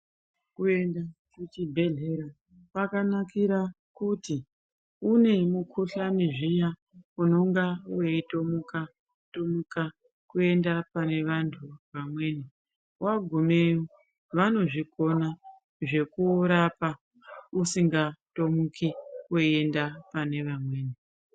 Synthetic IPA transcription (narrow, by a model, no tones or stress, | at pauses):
kue̞ndat͡ʃut͡ʃibʱe̞ɮeɾa | pakanakiɾa | kuti | une̞mukʰuɬaniʐija | uno̞ŋɡaweito̞muka | tomuka | kue̞ndapane̞ʋantʰuʋamwe̞ːni | waɡʱome̞jo | ʋano̞ʐiko̞na | ʐe̞kuɾapa | usiŋɡatomukiweiendapane̞ʋamwe̞ːni